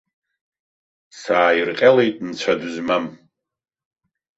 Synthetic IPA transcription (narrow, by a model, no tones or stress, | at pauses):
saːjirqʲʼalejtʼnt͡sʷʰaduzmam